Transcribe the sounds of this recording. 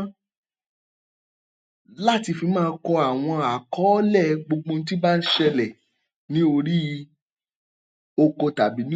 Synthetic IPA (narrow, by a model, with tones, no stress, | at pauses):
la˦˨ti˧fi˧mãː˦˧˦kɔ˧a˨w̃ɔ̃˧a˨kɔ˨˦lɛ˦˨ɡ͡bo˧ɡ͡bõ˧n̩˦t̬i˦ba˦n̩˦ʃɛ˧lɛ˨ | nĩ˦o˧ɾi˦˧ | o˧ko˧ta˨bi˨˦nĩ˦